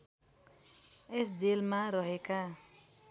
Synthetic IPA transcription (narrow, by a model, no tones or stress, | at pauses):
esd͡zelmaɾʌɦeka